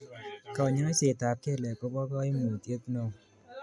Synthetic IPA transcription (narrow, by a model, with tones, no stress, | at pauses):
kɔ˨ɲe˦nɔ˦se˨ta˨p̚ke˦˨lɛ˨ko˦bɔ˦kɔ˦i˦mu˨tje˦pno˦˨ŋ˨